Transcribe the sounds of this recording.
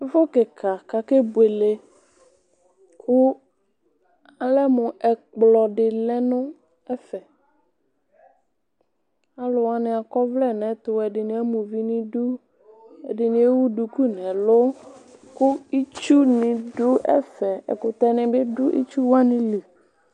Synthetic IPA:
ɪ˦fʊ˦kɪ˨kʰa˨ka˨ke˦be˨le˨ | kʰʊ˦ | a˨lɛ˦mʊ̃˨ʔɛ˨k͡plɔ˨ɖɪ˨lɛ˦nʊ̃˦ | ɛ˦fɛ˨ | a˦lʊ˨wa˦nɪ̃˨a˨kɔ˦vlɛ˦˨nɛ̃˨˦t̪ʊ˨ɛ˨dɪ˨nɪ̃˨ɛ˦mũ˨vi˦nɪ̃˦du˦ | ɛ̰˨dɪ˨nɪ̃˨˦e˦wu˦du˨ku˦nɛ̃˨lʊ˦kʊ˦i˦t͡ʃu˦nɪ̃˨dʊ˦ʔɛ̰˦fɛ˨ɛ̰˨kʊ˨t̪ɛ˦˨nɪ̃˨bɪ˦dʊ˦ʔḭ˦t͡ʃu˦wa˦nɪ̃˦li˨

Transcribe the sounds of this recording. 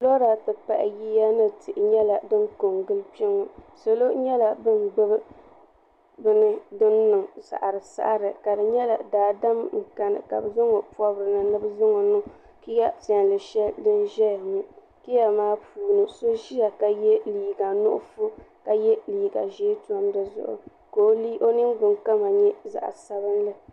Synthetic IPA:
lɔ˦ɾa˨tɨ˨pa̰˨ʔɪ̰˨ji˦ja˦nɨ˦˨tɪ˨ʔɪ˨ɲɛ˦la˨dɨ˦nko˨ŋɡɨ˦lpi˦ɪ˦ŋo˨so˨lo˦ɲɛ˦la˨bɨ˦n˨ɡ͡bɨ˦bɨ˦ | bɨ˦nɨ˦dɨ˦nːɨ˨ŋsa̰˨ʔa˨ɾɨ˨sa̰˦ʔɾɨ˨ka˨dɨ˨ɲɛ˦la˨daː˨da˦mŋ̩˨ka˨nɨ̰˨ka̰˨bɨ˨zʊ˦ŋɔ˨pɔ˦bɾɨ˨nɨ˨nɨ˦bzʊ˦ŋɔ˨nʊ˦ | ki˦ja˦ta˨n˨lɨ˨ʃɛ˦ldɨ˦n˦ʒɛ˦˨nɨ˦ | ki˦ja˨maː˦puː˨nɨ˨so˦ʒi˦ja˨ka˨jɛ˦liː˨ɡa˨nʊ̰˦ʔʊ̰˦fʊ˦ka˨jɛ˦liː˨ɡa̰˨ʒeː˦tu˨ɔ˦mdɨ˨zʊ̰˦ʔʊ̰˨ | ko˨˦li˦ʔo˦nɨ˦ŋbɨ˨ŋka˦ma˨ɲɛ˦za̰˨ʔsa˦bɨ˦n˦lɨ˦

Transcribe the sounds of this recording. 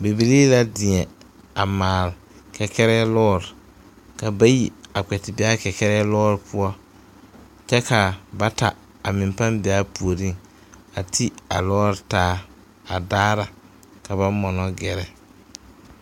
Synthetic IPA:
be˨bi˨liː˦la˦dɪ˨ɛ˨ | a˨maː˨lkɛ˨kɛ˦ɾɛː˦lɔː˦ɾɪ˨ | ka˨ba˦ji˨a˨k͡pɛ˨tɪ˨bɪ˦a˦kɛ˨kɛ˦ɾɛː˦lɔː˦ɾɪ˨pʰʊ˦ɔ˦ | t͡ʃɛ˦ka˨ba˦ta˨ | a˨mɪ̃˨mpa˦nbɪ˨a˦pu˨o˨ɾi˦˨ŋ | a˨tʰi˦a˨lɔː˦ɾtaː˦ | a˨daː˦ɾa˨ | ka˨ba˦mɔ˨nɔ˦ɡɛ˨ɾɛ˨

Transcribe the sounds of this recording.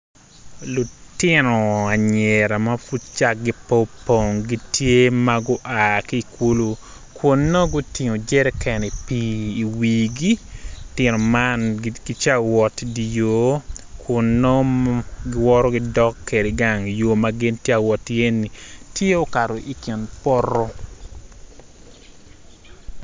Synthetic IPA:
lʊ˨tɪ˦no˨a˨ɲɛ˨ɾa˨ma˦fu˦t̚t͡ʃa˦k̚ɡi˦po˦po˨ŋɡi˦tje˦maɡʊ˦ʔaː˨ki˦˨ku˦lu˦ | kʰʊ˨nːo˦ɡʊ˦ti˨ŋo˨d͡ʒɛ˦ɾɛ˦kɛ˨ne˨piː˦˨wiːɡi˦tɪno˨manɡi˦t͡ʃa˦wɔ˨tdi˨jo˨˦kʰʊ˨nːɔ˦ɡɪ˦wɔ˦ɾɔ˦ɡɪdɔ˦kːe˨ɾe˨ɡa˦ŋjo˨maɡɪ˦ntje˦a˨wɔ˨tie˦nːi˨tje˦o˦ka˨ɾo˨ʔi˨kɪ˨npɔ˦ɾɔ˦

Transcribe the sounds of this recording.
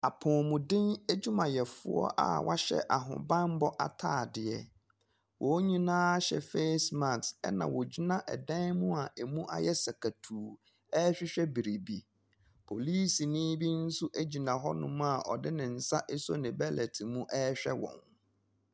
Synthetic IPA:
a˨pʰɔ̃ː˨mʊ̃˨dɪ̃˦ne˦d͡ʑu˦mã˨jɛ˨fʊ̰˨˦ɔ̰˦ʔa̰˨wʔa̰˦ɕɛ̰˦ʔa˨ɦʊ̰̃˨bã˦m˦bɔ˦ʔa˨tʰaː˦˨dɪ˨ɛ˨ | wʔɔ˨˦ɲĩ˦nãː˦ɕɛ̰˨fe˦smã˨tɛ̰˦nã̰˨wɔ˨d͡ʑi˦nã˦ʔɛ̰˨dɛ̃˦mʊ̃˦a˨ʔe˨mũ˦ʔa̰˦jɛ˦sa˨kʰa˨tʰuː˨ | ɛː˦ɕᶣɪ˦ɕᶣɛ˦bi˨ɾi˨bi˨ | pʰo˨liː˦si˨nɪ̃ː˦bi˦n̩˦sʊ˦ʔæ˦d͡ʑi˨nã˨ɦɔ˦nʊ̃˦m̃˦a˨ʔɔ̰˨dɪ˦nɪ̃˨n̩˨sa˦ʔe˦sɔ˦nɪ̃˨bɛ˦lɛ˨tʰi˨mũ˦ʔɛː˦ɕᶣɛ˦wɔ̰̃˨n

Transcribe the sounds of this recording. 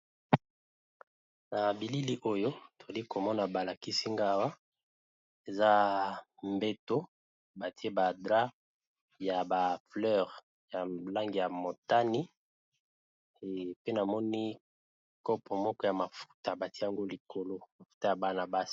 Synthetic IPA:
na˨bi˨li˦li˦ʔo˦jo˦to˨a˨li˦ko˨mɔ˦na˨ba˨la˨ki˦si˦ŋɡa˦wa˦ | e˨za˦mbe˦to˦ | ba˨ti˦e˦ba˨dʁa˦ | ja˨ba˨flœ˦˨ʁ | ja˨la˦ŋɡi˨ja˨mo˨ta˦ni˦˨ | pe˦na˨mɔ˦ni˦ | kɔ˦pʰɔ˨mɔ˦kɔ˦ja˨ma˨fu̥˦ta˨ba˨ti˦e˦a˨ŋɡo˦li˨ko˨lo˦ma˨fu̥˦ta˦ja˨ba˦na˨ba˦si̥˨

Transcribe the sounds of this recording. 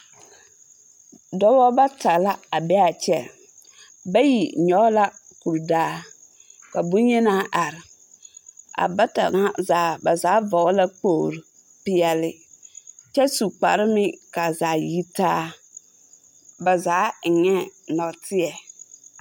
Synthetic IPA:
dɔ˦bɔ˦ba˦ta˨la˦a˨bɛ˦a˨t͡ʃɛ˦ | ba˦ji˨ɲɔ˦la˦ | ku˨ɾdaː˦ | ka˨bu˦ɲɛ˦na˦ʔa˨ɾɪ˨ | a̰˨ba˦ta̰˨ŋa˦zaː˨ba˨zaː˨˦vɔ˨˦la˦k͡poː˦˨ɾu˨ | pɪ˨ɛ˨lɪ˨ | t͡ʃɛ˦su˨k͡pa˨ɾɪ˦mɪ˦ka˨zaː˨ji˦taː˦ | ba˨zaː˨˦˨ɲɛ˦nɔ˨tʰɪ˦ɛ˨

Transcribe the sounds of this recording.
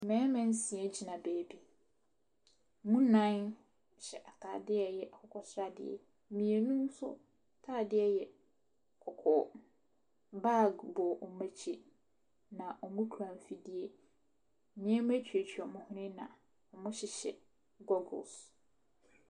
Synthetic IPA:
mɛ̃˨˦mɛ̃˨n̩˦sĩ˨ɛ˦t͡ɕʰi˦nã˨beː˨bi˦ | mũ˦nã˦n˨ | ɕɛ˨ʔa˨tʰaː˨dɪ˦ɛ˦jɛ˨ʔa˨kʰɔ˨kʰɔ˦sɾa˦dɪ̰˦ɛ̰˨˦ | mĩ˨e˨nũ˦m˦sʊ̰˦ | tʰaː˦˨dɪ˦ɛ˦jɛ˨ | kʰɔ˨kʰɔ˨ | ba˦˨ɡbɔ˨ʔɔ˨mæ˦t͡ɕʰi˦ | nã˨ʔɔ˨mũ˦kʰu˨ɾã˨m˨fi˦di˦e˦˨ | mɪ̃˦ɛ˦m˦æ̃˦t͡ɕʰᶣɥe˨t͡ɕʰᶣi˨ɔ˨mʊ̃˦hʊ̃˦nɪ̃˦nã̰˨ | ɔ˨mʊ̃˦ɕɪ˨ɕɛ̰˨ | ɡɔ˦ɡʊ̰˨ls

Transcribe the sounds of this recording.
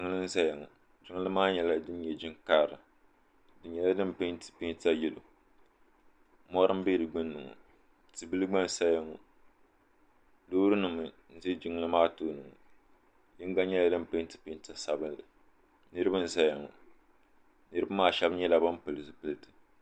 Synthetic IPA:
d͡ʒɪ˦ŋ˦lɨ˦n̩˦za˦ja˨ŋɔ̰˨ | d͡ʒɪ˦ŋɨ˦lɨ˦maː˦ɲɛ˨la˦dɨ˦n˦ɲɛ˨d͡ʒɪ˦ŋkaː˦˨ɾɨ˨ | dɨ˨n˦ɲɛ˦la˦dɨ˦m˨pe˦tɨ̥˨pi˦ta˦jɛ˦lo̰˨ | mɔ˦ɾɨ˦m˦be˦ɾɨ˨ɡ͡bɨ˦nːɨ˨ŋɔ̰˨ | tɨ˨bɨ˦lɨ˦ɡ͡ba˦n˨sa˦ja˨ŋɔ˨ | doː˦ɾɨ˦nɨ˨mɨ˨ | n̩˦zi˦d͡ʒɪ˦ŋɨ˦lɨ˦maː˦toː˦nɨ˨ŋɔ̰˨ | jɪ˦ŋ˦ɡa˦ɲɛ˦la˦dɨ˦mpɨ˦tɨ̥˨pɪ˦n˦ta˨sa˨bɨ˦nlɨ˨ | nɨ˦ɾɨ˦bɨ˦n̩˦za˦ja˨ŋɔ̰˨ | nɨ˦ɾɨ˦ba˦maː˦ʃɛ˦bɲɛ˦la˨ba˦mpɨ˨lɨ˨sɨ˦pɨ˦lɨ˨tɨ̥˨

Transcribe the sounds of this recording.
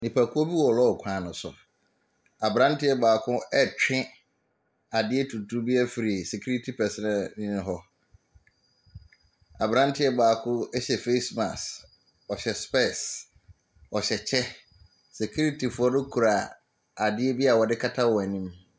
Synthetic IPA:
nĩ˨pʰæ˨kʰʊ˦ɔ˦bi˦wɔ˨lɔ˦ɔ˨kʷʰãː˨nʊ̃˨sʊ̰˨ | a˨bɾã˦n̩˦tʰɪ˦ɛ˦baː˨kʰʊ̃˦ɛ˦t͡ɕᶣɪ̃˦ | a˨dɪ˦ɛ˦tʰu˨tʰu˦bi˦a˦fi˨ɾi˨sɛ˨kʰu˦ɾi˦tʰi˨pʰɛ˨sɛ˦nɛ̃˦˨nɪ̃˦nɪ̃˦ɦɔ˦ | a˨bɾã˦n̩˦tʰɪ˦ɛ˦baː˨kʰʊ̃˦ɛ˦ɕɛ˨fe˦sma˨s | ɔ˨ɕɛ˨spɛ˦˨s | ɔ˨ɕɛ˨t͡ɕʰɛ˦ | se˨kʰu˦ɾi˦tʰi˨fʊ˨ɔ˦nʊ̃˦kʰu˨ɾa˨ | a˨dɪ˦ɛ˦bi˦a˨wɔ˨dɪ˦kʰa˦tʰa˦wɔ˨nĩ˦m

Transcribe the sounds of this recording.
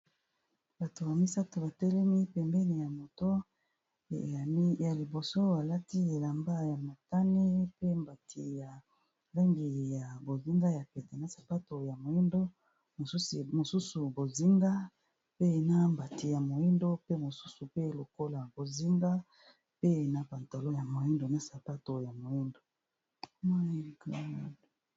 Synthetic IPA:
b̥a˨to˨ba˨mi˦sa˦to˨ba˨tɛ˦lɛ˦mi˦pɛ˨mbɛ˦ni˨ja˨mo˨to˦˨˦ | ja˨li˨bo˨so˦a˨la˦ti˦e˨la˨mba˦ja˨ma˨ta˦ne˦pe˦mba˨tʰi˨ja˨ | za˦ŋɡi˨ja˨bo˨zi˦ŋɡa˦ja˨pe˨te˨na˨sḁ˨pa˦to˨ja˨mo˨i˦ndo˦ | mo˨su˦si˨mo˨su˦su˨bo˨zi˦ŋɡa˦ | pe˦˨na˦mba˨ti˨ja˨mo˨i˦ndo˦pe˦mo˨su̥˦su˨pe˦lo˨ko˦la˨bo˨zi˦ŋɡa˦ | pe˦e˨na˦pa˨nta˨lo˦ja˨mo˨ji˦ndo˨na˨sa˨pa˦to˨ja˨mo˨ji˦ndo˨ | ma˦i˦˨ka˨a˦d

